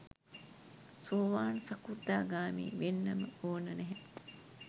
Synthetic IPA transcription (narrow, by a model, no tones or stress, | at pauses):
soːʋaːnsɐkud̪aːɡaːmḭːʋenːɐməoːnənɛɦɛ